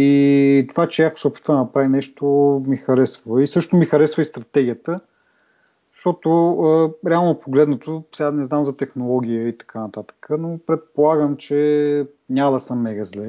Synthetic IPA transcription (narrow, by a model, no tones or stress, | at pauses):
it̪ovat͡ʃɛjako̥sopɛ̥t̪vənɐpɾavinɛʃt̪ʊmixɐɾɛsvvɐisɤʃt̪omixɐɾɛsvəist̪ɾɐt̪ɛɡʲijət̪ə | ʃt̪ɔt̪ʊəɾɛalˠnopoɡlɛd̪nət̪osanɛznamzɐt̪ɛxnolˠɔɡ̟ʲijəit̪ɐ̥kʰanɐt̪at̪ə̥kʰənopɾɛt̪̚polˠaɡəmt͡ʃɛ | nʲad̪əsəmːɛɡɐzlɛ